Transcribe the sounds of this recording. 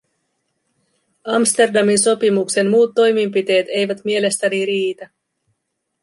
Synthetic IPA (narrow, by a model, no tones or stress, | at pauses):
ɑmst̪e̞rdɑminso̞pimukse̞nmuːt̪ːo̞jmimpit̪e̞ːt̪e̞jʋæt̪mie̞le̞st̪æniɾiːt̪æ